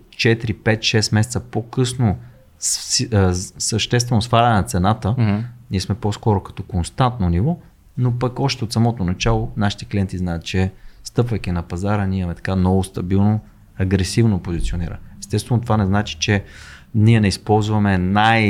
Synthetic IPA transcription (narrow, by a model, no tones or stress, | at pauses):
t͡ʃɛt̪iɾipɛt̪ʃɛsmɛsɛt̪səpokɤsno | s | səʃt̪ɛst̪vɛnosfaɾʲɐnɛnɐt̪sɛnat̪əniɛsmɛpɔskɔɾokɐ̥t̪ɔkonst̪ant̪nonivɔ | nopɐkɔʃt̪ɛot̪sɐmɔt̪onɐt͡ʃalˠonaʃi̥t̪ɛ̥kliɛnt̪iznajət̪̚t͡ʃɛst̪ɤpvɐjk̟inɐpɐzaɾəniəmɛt̪ɐ̥kanɔvost̪ɐbilˠno | ɐɡɾɛsivnopozit̪sioniɾə̰mɛst̪ɛst̪vɛnot̪ovanɛznat͡ʃi̥t͡ʃɛ | niɛnɛispɔlˠzvɐmɛnaj